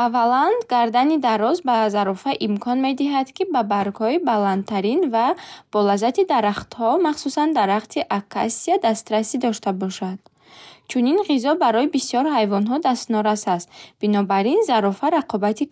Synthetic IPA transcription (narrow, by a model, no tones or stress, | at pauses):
avːaland̪ɡaɾd̪anid̪aɾɔzbazaɾɔfaʔimkʰɔnme̞d̪iɦad̪kibabaɾɡhɔibalant̪t̪ʰːaɾinvab̥ɔlazat̪ʰid̪aɾaχt̪hɔmaχsusand̪aɾaχt̪ʰiʔakʰa̰siad̪ast̪ɾasid̪ɔʃt̪abɔʃad̪̥ | t͡ʃʰuninʁizɔbaɾɔjibisjɔɾɦajvɔnɦɔd̪ast̪nɔɾasast̪b̥inɔbaɾinzaɾɔfaɾaqʰɔbat̪ʰi